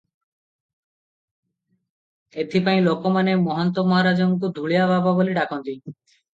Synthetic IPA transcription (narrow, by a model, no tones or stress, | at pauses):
et̪ʰipaĩlokɔmanemɔɦɔnt̪ɔmɔɦaɾad͡ʒɔŋkud̪ʱuɭiabʱababoliɖakɔnt̪i